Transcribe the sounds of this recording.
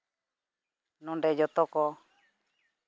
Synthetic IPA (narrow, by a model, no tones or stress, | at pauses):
nɔ̃ɳɖɛd͡ʒɔt̪ɔkɔ